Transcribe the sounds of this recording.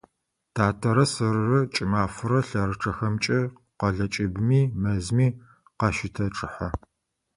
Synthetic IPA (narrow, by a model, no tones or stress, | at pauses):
tʰaːtʰɐɾɐsɨrːɐt͡ʃʼɪmaːfʊɾɐɬɐrɨʈ͡ʂʰɐxɐmt͡ʃʼɐ | qɐɮɐt͡ʃʼɪbmiːmɐzmiː | qɑʃɪtʰɐʈ͡ʂʼɨħa